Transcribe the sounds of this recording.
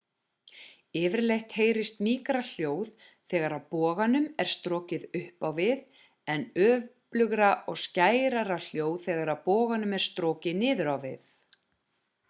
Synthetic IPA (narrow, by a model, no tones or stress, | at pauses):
ɪːvɪɾlejht̪heːjɾɪst̪miːkɾal̥joːwð | θɛːɣaɾawpɔːɣanʏmɛɾ̥st̪ɾɔːcɪðʏhpawvɪð | ɛnœːvplʏɣɾaʔɔɣscaːjɾaɾal̥joːwð̥θɛːɣaɾawpɔːɣanʏmɛɾ̥st̪ɾɔːcɪnɪːðʏɾawvɪ̰θ